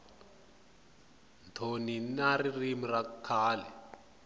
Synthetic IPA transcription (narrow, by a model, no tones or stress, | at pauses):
ntʰoninaririmirakʰaːlɛ